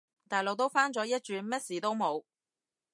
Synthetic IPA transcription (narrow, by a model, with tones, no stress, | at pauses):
t̪aː˨jlo˨k̚t̪o˥wfaː˥nt͡sɔː˨˥jɐ˥t̚t͡ʃyː˧nmɛː˥t̚siː˨˩t̪o˥wmo˨˧w